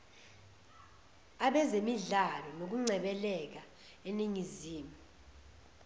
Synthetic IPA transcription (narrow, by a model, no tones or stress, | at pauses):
aɓɛzemiɮalɔnok̬uŋ͡ǀɛɓɛlɛk̬a | eniŋiziːmi